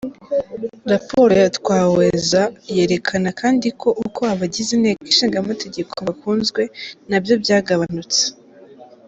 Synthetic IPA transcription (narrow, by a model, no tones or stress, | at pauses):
ɾapʰo̞ɾojatwaːwe̞zaje̞ːɾe̞kʰanakʰaːndiko̞ʔukʰo̞aβaɟizineːkiʃiːŋɡamate̞ɟe̞kʰoβakuːnzɡwe̞nabjo̞bjaːɡaβanut͡se̥